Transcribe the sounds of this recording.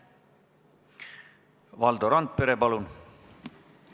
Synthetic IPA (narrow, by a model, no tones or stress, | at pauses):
vɑld̪oɾɑnd̪̚pe̞ɾepɑlun